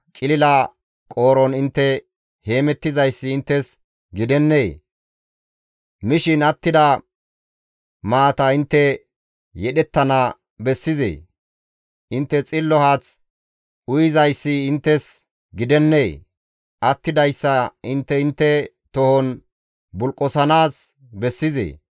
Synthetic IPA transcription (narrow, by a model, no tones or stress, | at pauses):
t͡ʃʼɪlɪlɐ | kʼo̞ːɾɔnɪnt̪ːɛ | he̞ːmɛt̪ːɪzɐjsːɪːnt̪ːɛs | ɡɪd̪ɛnːeː | mɪʃɪnɐt̪ːɪd̪ɐ | maːt̪ɐɪnt̪ːɛ | jɛɗɛt̪ːɐna | bɛsːɪzḛː | ʔɪnt̪ːɛt͡sʼɪlːɔhaːt͡s | ʔʊjɪzɐjsːɪːnt̪ːɛs | ɡɪd̪ɛnːeː | ʔɐt̪ːɪd̪ɐjsːɐɪnt̪ːɛɪnt̪ːɛ | t̪ɔhɔn | bʊlkʼːɔsɐnaːs | bɛsːɪzḛː